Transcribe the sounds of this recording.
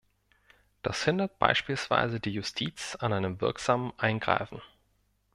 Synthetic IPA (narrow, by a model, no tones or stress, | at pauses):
d̥a̰shɪndɐt̚b̥a̰ɪʃpiːlsv̥a̰ɪzədiːjʊstʰiːt͡sanʔaɪnəmvɪɐkz̥aːmənʔaɪnɡʁa̰ɪfn̩